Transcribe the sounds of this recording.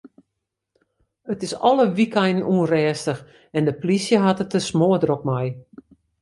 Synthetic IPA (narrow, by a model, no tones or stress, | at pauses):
ətɪsɔləʋikɛjnnuənrɛːstəx | ɛndəplisjəɦatətəsmoədɾɔk̚mɛj